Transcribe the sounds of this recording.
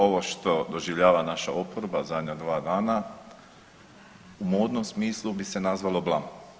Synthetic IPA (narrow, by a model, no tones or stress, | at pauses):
o̞ʋoʃt̪o̞d̪o̞ʒiʋʎaːʋanaʃa̰opoɾbazad̪ɲad̪ʋaːd̪aːna | umoːd̪nomsmiːslˠubise̞nazʋalo̞blˠam